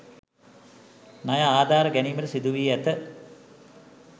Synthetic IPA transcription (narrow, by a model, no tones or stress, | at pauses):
najaaːd̪ʱaːɾəɡæniːməʈəsid̪uʋiːæt̪ə